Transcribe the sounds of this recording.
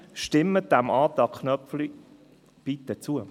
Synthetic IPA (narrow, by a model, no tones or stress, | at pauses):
ʃtɪmːəd̥̪æmɑːt̪ɑkχnœpfli | b̥it̪ət͡suə